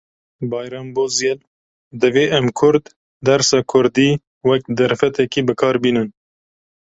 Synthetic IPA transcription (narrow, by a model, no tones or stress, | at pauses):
bɑːjɾɑːmboːzjɛl | d̪ɨveːʔɛmkʰʊɾd̪ː | ɛɾsɑːkʰʊɾd̪iː | wɛk̚d̪ɛɾfɛt̪ɛkiːbɨkʰɑːɾbiːnɨn